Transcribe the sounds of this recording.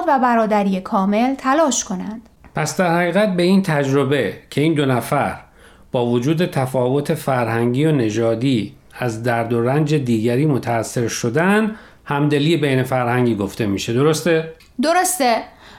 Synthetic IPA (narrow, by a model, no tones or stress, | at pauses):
væbæɾɒːd̪æɾijekʰɒːme̞lt̪ʰælɒːʃkʰo̞nænd̪̥pʰæsd̪æɾhæɣiːɣæt̪̚be̞int̪ʰæd͡ʒɾo̞becʰe̞iːnd̪o̞næfæɾ | b̥ɒːvod͡ʒuːd̪e̞t̪ʰæfɒːvo̞t̪ʰe̞fæɾhæŋɟiːone̞d͡ʒɒːd̪iː | æzd̪æɾd̪o̞ɾænd͡ʒe̞d̪iːɟæɾiːmot̪ʰæːsːe̞ɾʃo̞d̪æn | hæmd̪e̞liːebejne̞fæɾhæŋɟiːɡo̞ft̪e̞miːʃe̞d̪o̞ɾo̞st̪e | d̪o̞ɾost̪e